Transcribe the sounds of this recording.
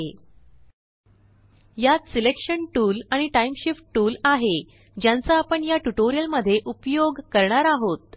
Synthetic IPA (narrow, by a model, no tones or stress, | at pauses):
jat̪silekʂəɳʈuːlaɽ̃iʈaimɕifʈ̚ʈuːlaɦe | d͡ʑjãnt͡saːpəɳjaʈuʈoɾijəlməd̪ʱːjeʔupjoɡkəɾɳaɾaɦot̪̚